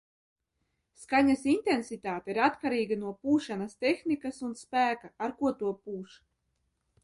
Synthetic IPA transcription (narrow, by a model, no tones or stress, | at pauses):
skaɲasint̪ensit̪aːt̪eiɾat̪kaɾiːɡanuɔpuːʃanast̪ɛxnikasunspæːkaaɾkuɔt̪uɔpuːʃ